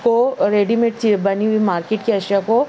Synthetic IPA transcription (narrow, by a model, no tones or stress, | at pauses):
koɾeːɖimeʈ̚t̪ʰibɐniɦuimaːɾkeːʈkiɐʃjako